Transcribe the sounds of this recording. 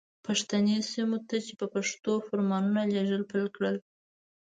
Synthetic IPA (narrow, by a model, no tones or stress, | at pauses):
paʂt̪anesimot̪at͡ʃepəpaʂt̪ofaɾmɑnunaleʐəlpəlkɽəl